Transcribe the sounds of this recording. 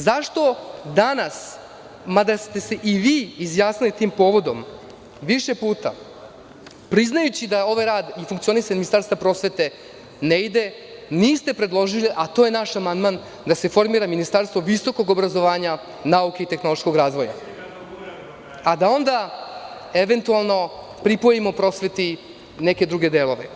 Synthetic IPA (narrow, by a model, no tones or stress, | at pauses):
zaʂt̪o̞d̪anas | mad̪ast̪e̞se̞ʔiʋiːizjaːsnilit̪iːmpo̞ːʋo̞d̪o̞m | ʋiʃe̞puːt̪a̰ | pɾiznajut͡ɕid̪ao̞ʋajɾaːd̪ifuŋkt̪sio̞nisaɲminist̪aɾst̪vapɾo̞ːsʋe̞t̪e̞ | neid̪e̞ | niːst̪e̞pɾe̞d̪lˠo̞ʒiliʔat̪ojenaʃamand̪man | d̪ase̞fo̞ɾmiːɾaminist̪aɾst̪ʋo̞ʋiso̞ko̞ɡobɾazo̞ʋaːɲa | naukeit̪e̞xno̞lˠoʃko̞ɡɾaːzʋo̞ja̰ | ad̪ao̞nd̪a | e̞ʋe̞nt̪ualˠno̞ | pɾipojimo̞pɾo̞sʋe̞t̪i | neke̞d̪ɾuɡed̪eːlo̞ʋḛ